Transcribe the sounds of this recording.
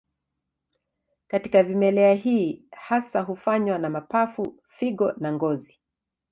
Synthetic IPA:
katikavimɛlɛaɦiːhasaɦufaɲwanamapafu | fiɡɔnaŋɡɔzi

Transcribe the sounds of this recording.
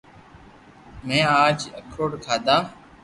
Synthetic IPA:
mɛ̃ːaːd͡ʒə̰kʰoːɽkʰaːd̪ãː

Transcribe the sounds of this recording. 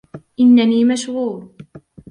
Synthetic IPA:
ʔɪnːaniːmaʃhuːɾ

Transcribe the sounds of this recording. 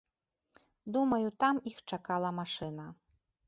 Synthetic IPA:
d̪umɐjut̪amixt͡ʂakalˠɐmaʂɨnɐ

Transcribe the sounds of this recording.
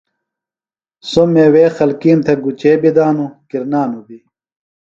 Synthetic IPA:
somːeweːxɐlkiːmt̪ʰeɡut͡ɕeːbid̪aːnukiɾnaːnubi

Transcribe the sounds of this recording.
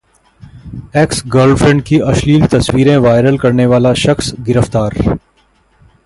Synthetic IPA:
eːksɡəɾɖfʰɾɛ̃ɳɖ̚kiʔɐʃliːlt̪ɐswiːɾẽʋaːɪɾəlkɐɾneʋaːlaʃɐxsɡɪɾəft̪aːɾ

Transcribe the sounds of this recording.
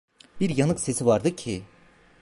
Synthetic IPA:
b̥iɾjɑnɯqse̞sivɑɾd̪ɯcʲʰi

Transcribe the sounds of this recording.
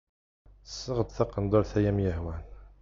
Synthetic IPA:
sːəʁəd̪θɑqənd̪ˤoɾθæjæmjəhwæn

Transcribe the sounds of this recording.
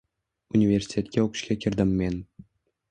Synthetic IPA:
unʲivʲerʲsʲi̥t̪ʲet̪ʲkʲeokɕkʲekʲĭrʲd̪ɘ̆mʲːen

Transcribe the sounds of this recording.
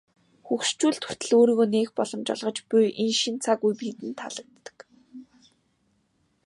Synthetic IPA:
xukʃt͡ɕuːɮt̪xu̥t̪ɘ̆ɮoːɾiːɣoːneːxpɔɮɞ̆mt͡ɕɔ̰ɮʁɞ̆t͡ɕpʊjʔenʃint͡sʰakujpiːt̪ɘ̆nt̪ʰa̰ɮə̆k̚t̪ːə̥̆k

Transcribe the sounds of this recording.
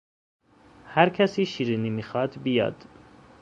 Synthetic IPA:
hæɾkʰæsiːʃiːɾinimixɑːd̪bijɒ̰ːd̪̥

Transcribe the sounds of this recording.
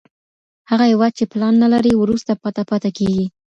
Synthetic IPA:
haɣahɪwɑd̪̚t͡ʃeplɑnːalaɾiwɾust̪apat̪apat̪akeɡi

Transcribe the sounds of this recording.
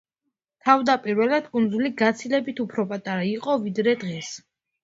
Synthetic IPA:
t̪ʰavd̪apʼiɾwɛlad̪kʼund̪zuliɡat̪sʰilɛbit̪ʰupʰɾɔpʼat̪ʼaɾaiqʼɔvid̪ɾɛd̪ʁɛs

